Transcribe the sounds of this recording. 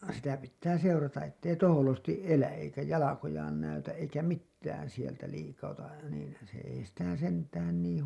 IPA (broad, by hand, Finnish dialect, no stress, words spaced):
sitæ pitːæː seurɑtɑʔ ʔetː ei toholostiʔ ʔelæʔ ʔeikæ jɑlɑkojɑːn næytæʔ ʔeikæ mitːæːn sieltæ liːkɑutɑ niːn se ei sitæ sentæːn niːĩ